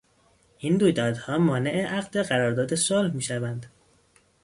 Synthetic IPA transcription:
ʔind̪uːjd̪ɒːd̪hɒːmɒːne̞ʔeʔæɣd̪eɢæɾɒːɾd̪ɒːd̪e̞solhmiːʃævænd̪

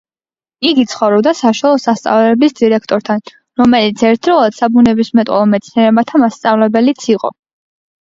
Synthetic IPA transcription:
iɡit̪sʰχɔvɾɔbd̪asaʃwalˠɔsast̪sʼa̰vlɛblisd̪iɾɛkʰt̪ʼɔɾt̪ʰan | ɾɔmɛlit̪sʰɛɾt̪ʰdɾɔlˠad̪̥sabunɛbismɛt̪ʼɔ̰lˠɔmɛt̪sʰniɛɾɛbat̪ʰamast̪sʼavlɛbɛlit̪sʰiqʼɔ̰

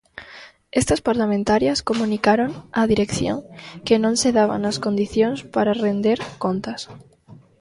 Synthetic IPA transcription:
est̪aspaɾlamẽnt̪aɾjaskomũnikaɾonaðiɾekθjo̰ŋkenõnseðaβa̰naskond̪iθjonspaɾarend̪eɾkont̪as

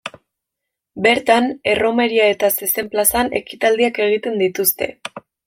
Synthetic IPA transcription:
be̞ɾt̪ane̞ro̞me̞ɾiae̞t̪ase̞se̞mplasane̞kit̪ald̪iake̞ɣ̞it̪e̞nd̪it̪ust̪e̞̰

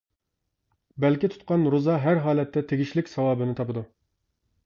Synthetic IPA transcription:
bɛlkʲit̪ʰu̥t̪̚qɑnɾozɑɦæɾɦɑːlɛt̪ʰːɛt̪ʰeɡʲiʃlɪkʲsɑwɑːbɨnɪt̪ʰɑpɨd̪u

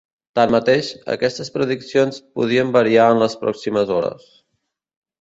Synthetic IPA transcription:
t̪ammːət̪eʃə̰kɛst̪əspɾəðiksionspṵðiəmbəɾiaənləspɾɔ̰ksiməzɔɾə̰s

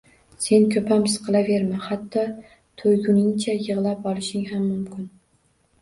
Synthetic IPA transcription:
se̞nkʲʰɵpamɪsqʰɨlave̞ɾmahat̪ʰːɒ | t̪ʰojɡʲʊnɪŋt͡ʃʰajɨʁlˠap̚ɒlˠɪʃɪŋɦamːʊmkʲʰɪn

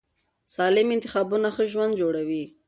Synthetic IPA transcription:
sɑlɪmɪnt̪ɪxɑbunaxəʒwand̪d͡ʒoɽawi

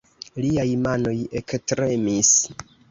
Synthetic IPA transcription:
liajmano̞je̞kstɾe̞mis

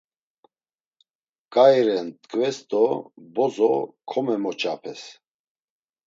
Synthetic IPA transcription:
kʼajɾɛnt̪ʼkʼvɛsd̪ɔbɔzɔkʰɔmɛmɔt͡ʃʼapʰɛs

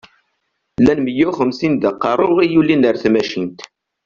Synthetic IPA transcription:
lːænməjæχəmsind̪əqːɑɾˤoʁijulːinəɾθmæʃint̪

